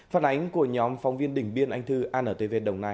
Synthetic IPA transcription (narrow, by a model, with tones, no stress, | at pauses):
faː˧˩nʔa˨˦jŋ̟ku˧˩əɲɔ˨˦mfɔ˨˦wŋ͡mvi˧ənɗï˧˩ŋ̟ɓi˧ənʔa˧jŋ̟t̪ʰɨ˧ʔaː˧nʔəː˧˩t̪əː˨˦ve˧˩nɗə˨˩wŋ͡mnaː˧j